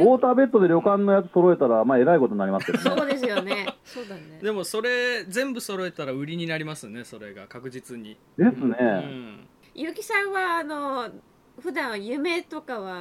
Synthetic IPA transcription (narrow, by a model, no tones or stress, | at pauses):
oːt̪aːbe̞t̪ːo̞d̪e̞ɾʲjo̞kãnːo̞jat͡sɨ̥so̞ɾo̞e̞t̪aɾamaːe̞ɾaiko̞t̪onːaɾʲimasɨ̥keomseoːd̪e̞sɨjo̞ne̞soːd̪aned̪e̞mo̞so̞ɾe̞zẽ̞mbɯ̟so̞ɾo̞e̞t̪aɾaɯ̟ɾʲiɲ̟inaɾʲimasɨne̞so̞ɾe̞ɡa̰kakɯ̟d͡ʑit͡sɨɲ̟i | d̪e̞sɨnẽ̞ | jɯːkʲi̥sãɰ̃βaːno̞ | ɸɯ̟d̪ãɰ̃jɯ̟me̞t̪o̞kaβa